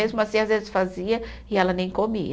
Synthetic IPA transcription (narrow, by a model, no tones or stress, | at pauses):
ezmʊasĩazvezɪsfaziɐ | ɪɛlɐnẽj̃komi